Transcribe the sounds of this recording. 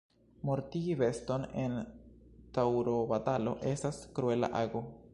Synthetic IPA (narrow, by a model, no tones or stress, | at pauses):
mo̞ɾtiɡive̞sto̞ne̞n | tawɾobatalo̞̰ʔe̞staskɾue̞la̰ʔaɡo